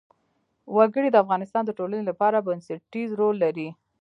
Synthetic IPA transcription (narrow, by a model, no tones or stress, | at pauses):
waɡəɽid̪əafɣɑnɪst̪ɑnd̪əʈolanelapɑɾabənsəʈizɾolːaɾi